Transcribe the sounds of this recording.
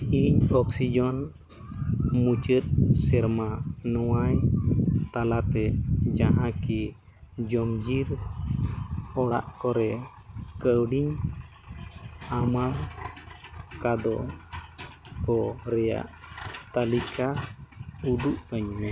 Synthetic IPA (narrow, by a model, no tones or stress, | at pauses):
iɲɔksid͡ʒɔn | mut͡ʃət̪̚sɛɾmanɔwajt̪alat̪ɛd͡ʒaɦãki | d͡ʒɔmd͡ʒiɾ | ɔɽa̰ʔkɔɾɛ | kəwɽiɲ | amaɾ | kad̪ɔ̰ | kɔɾɛja̰ʔt̪alikʰa | ud̪uʔkəɲmɛ